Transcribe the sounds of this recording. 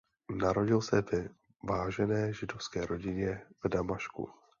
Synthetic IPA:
naɾo̞ɟɪlsɛvɛ | vaːʒɛnɛːʒɪdo̞fskɛːɾo̞ɟɪɲɛvdamaʃkṵ

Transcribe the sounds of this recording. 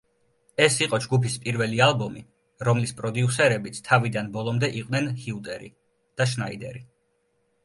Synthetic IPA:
ɛsiqʼɔd͡ʒɡupʰispʼiɾvɛlialˠbɔmi | ɾɔmlispʼɾɔd̪iusɛɾɛbit̪sʰt̪ʰavid̪anbɔlˠɔmd̪ɛʔiqʼvnɛnhiut̪ʼɛɾḭ | d̪̥aʃnaid̪ɛ̰ɾi

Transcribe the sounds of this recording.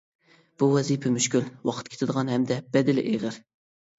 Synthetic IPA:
b̥uwɛzipʰɛmyʃkʲylwɑqʰə̥t̪̚kʲʰe̥t̪ɪd̪əʁɑnhɛmd̪ɛb̥ɛd̪ɪlɪ̰ʔeʁəɾ

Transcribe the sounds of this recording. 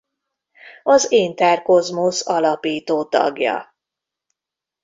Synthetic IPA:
ɒzeːnt̪ɛːrko̞zmosɒlɒpiːt̪oːt̪ɒ̰ɡjɒ̰

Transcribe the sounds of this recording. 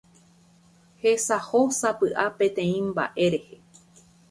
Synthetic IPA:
he̞sahosapɨʔapẽ̞t̪ẽ̞ĩmba̰ʔe̞ɾe̞he̞

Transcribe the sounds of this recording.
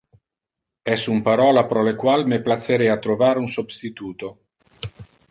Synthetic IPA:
ɛsumpaɾɔːlapɾɔlekwalmeplat̪sːeɾɛat̪ɾovaːɾunsobst̪it̪uːt̪o

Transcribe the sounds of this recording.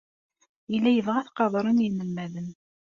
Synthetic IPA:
ilːæjəvʁæθqɑðˤɾˤənjənːəlmæðən

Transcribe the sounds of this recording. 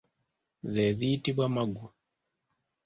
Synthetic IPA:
zɛziːtibwamaɡu

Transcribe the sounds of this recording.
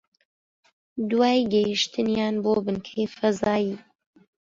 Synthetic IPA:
d̪waːjɡɐjiʃt̪ʰɨnjaːnboːbɨnkʰejfɐzaːjiː

